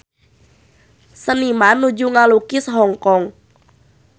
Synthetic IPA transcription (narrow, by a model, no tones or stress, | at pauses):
sənimanud͡ʒuŋalukisɦɔŋkɔŋ